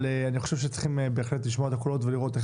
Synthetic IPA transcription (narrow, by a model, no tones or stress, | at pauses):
leaniχo̞ʃe̞vʃ̬et͡sə̥χimebeːχle̞tliʃmoet̪akolo̞tveliʁo̞t̪e